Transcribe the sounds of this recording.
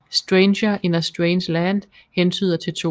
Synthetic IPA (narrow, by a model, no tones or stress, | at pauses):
sd̥ʁɛnɕɐʔenɐsd̥ʁeɪnslænd̥ | hent͡sʰy̰ːð̞ˠɐt͡sʰe̝lt͡sʰo̰